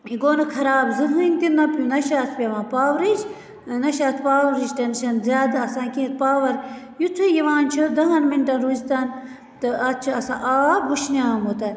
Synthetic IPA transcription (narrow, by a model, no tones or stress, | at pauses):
iɡoːnɐkʰɐɾaːbzɨɦɨnʲt̪inːɐpʲunɐʃaːt̪ʰpʲɐʋãːpaːʋɾid͡ʒ | nɐʃaːt̪ʰpaːʋɾid͡ʒʈɐnʃɐnzʲaːd̪ɐsãːkĩːt̪̚paːʋɐɾ | jut̪ʰujiʋãːnt͡ʃʰud̪ɐɦɐnminʈɐnɾuːzt̪aːn | t̪ɨɐt̪̚t͡ʃʰuɐsã̰ːʔaːbɡuʃniaːmot̪ɐn